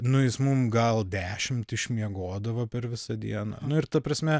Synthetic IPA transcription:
nʊjɪsmʊmɡɐlˠd̪ʲæːʃʲɪmt̪ɪʃʲmʲiɛɡoːd̪ɐʋɐpʲɛɾʋʲɪsɐd̪ʲḭɛnɐ̰ːnʊɪɾt̪ɐpɾɐsʲmʲɛ

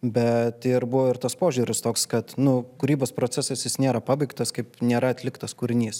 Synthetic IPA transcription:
bʲɛt̪ɪɾbʊʋoːɪɾt̪ɐspoːʒʲuːɾʲɪst̪oːkskɐt̪nʊkʊɾʲiːboːspɾoːt͡s̪ʲɛsɐsjɪsnʲeːɾɐpɑːbɐɪkt̪ɐskɐɪpnʲeːɾɐɐt̪ʲlʲɪkt̪ɐskuɾʲɪnʲiːs

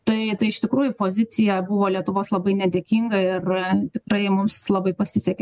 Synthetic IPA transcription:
t̪ɐɪt̪ɐɪɪʃt̪ʲɪkɾuːjʊpoːzʲɪt͡s̪ʲɪjɛbʊʋoːlʲiɛt̪ʊʋoːslˠɐbɐɪnʲɛd̪ʲeːkʲiːŋɡɐɪrt̪ʲɪkɾɐɪmʊmslˠɐbɐɪpɐsʲɪsʲɛkʲe

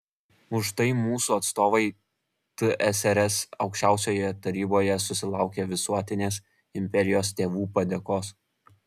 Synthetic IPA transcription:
ʊʃt̪ɐɪmuːsuːɐt̪st̪oːʋɐɪ | t̪ɨʔɛsɛɾɛsɐʊkʃʲt͡ʃʲæˑʊsʲoːjojɛt̪ɐɾʲiːboːjɛsʊsʲɪlˠɑˑʊkʲeːʋʲɪsuɔt̪ʲɪnʲeːs | ɪmʲpʲɛɾʲɪjoːst̪ʲeːʋuːpɐd̪ʲeːkoːs

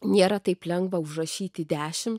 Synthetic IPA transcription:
nʲeːɾɐt̪ɐɪplʲɛŋɡʋɐʊʃrɐʃʲiːt̪ʲɪd̪ʲæːʃʲɪm

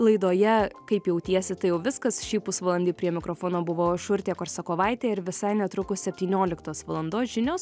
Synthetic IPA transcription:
lˠɐɪd̪oːjɛkɐɪpjɛʊt̪ʲiɛsʲɪt̪ɐɪjɛʊʋʲɪskɐsʃʲiːpʊsʋɐlˠɐnʲd̪ʲiːpʲɾʲiɛmʲɪkɾoːfoːnoːbʊʋoːʃʊɾʲt̪ʲeːkoːɾsɐkoːʋɐɪt̪ʲeːɪɾʋʲɪsɐɪnʲɛt̪ɾʊkʊssʲɛpʲt̪ʲiːnʲoːlʲɪkt̪oːsʋɐlˠɐnd̪oːsʒʲɪnʲoːs

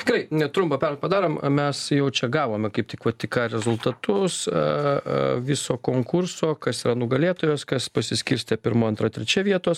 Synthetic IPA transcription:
t̪ʲɪɡɾɐɪnʲɛt̪ɾʊmpɐpʲɛɾlpɐd̪ɑːɾoːmmʲɛsjɛʊt͡ʃʲɛɡɑːʋoːmʲɛkɐɪptʲɪkʋɐt̪ʲɪkɑːɾʲɛzʊlˠt̪ɐt̪ʊs | ʋʲɪsoːkoːŋkʊrsoːkɐsiːɾɐnʊɡɐlʲeːt̪oːjoːskɐspɐsʲɪsʲkʲɪɾʲsʲt̪ʲɛpʲɪɾmoːɐnt̪ɾɐt̪ʲɾʲɛt͡ʃʲɛʋʲiɛt̪oːs

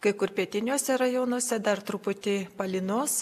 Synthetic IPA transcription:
kɐɪkʊɾpʲiɛt̪ʲɪnʲoːsʲɛɾɐjoːnoɔsʲɛd̪ɐrt̪ɾʊpʊt̪ʲɪpɐlʲɪnoːs

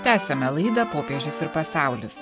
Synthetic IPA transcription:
t̪ʲæːsʲɛmʲɛlˠɐɪd̪ɐpoːpʲeːʒʲʊsɪɾpɐsɑˑʊlʲʊs

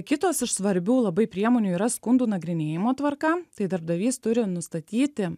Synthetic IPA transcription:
kʲɪt̪oːsɪʃsʋɐɾʲbʲuːlˠɐbɐɪpʲɾʲiɛmoːnʲuːiːɾɐskʊnd̪uːnɐɡɾʲɪnʲeːjɪmoːt̪ʋɐɾkɐt̪ɐɪd̪ɐɾb̚d̪ɐʋʲiːst̪ʊɾʲɪnʊst̪ɐt̪ʲiːt̪ʲɪ

